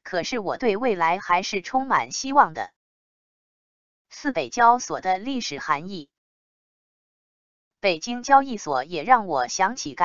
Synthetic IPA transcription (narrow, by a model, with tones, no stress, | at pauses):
kʰɤ˨˩ʂɻ̩˥˩wɔ˨˩t̪we˥˧ɪwe˥˩ɪla˧˥ɪxa˧˥ɪʂɻ̩˥˩ʈ͡ʂʰʊ˥ŋma̰˨˩nɕi˥wɑ˥˩ŋd̪ə̰˩ | sɹ̩˥˩pe˨˩ɪt͡ɕjɑ˥ʊswɔ̰˨˩d̪ə˦li˥˩ʂɻ̩˨˩xa˧˥ni˥˩ | pe˨˩ɪt͡ɕi˥ŋt͡ɕjɑ˥ʊi˥˩swɔ˨˩˦jɛ˨˩ɻɑ˥˩ŋwɔ˨˩ɕjɑ˧˥ŋt͡ɕʰi˨˩ka˧˩